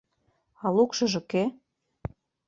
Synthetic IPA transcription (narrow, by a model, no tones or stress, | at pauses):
ɑlukʃɤ̆ʒɤ̆ke